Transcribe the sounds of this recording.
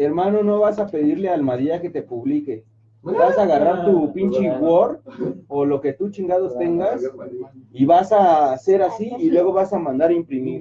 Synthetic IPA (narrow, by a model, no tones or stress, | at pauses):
eɾmãno̞no̞βasape̞ðiɾlealmaðjake̞t̪e̞puβlike̞ | βasaːɣaraɾt̪upint͡ʃiɣwoɾolo̞ke̞t̪ut͡ʃiŋɡaðost̪e̞ŋɡas | iβasase̞ɾasiːlwe̞ɣo̞βasamãnd̪aɾimpɾimiɾ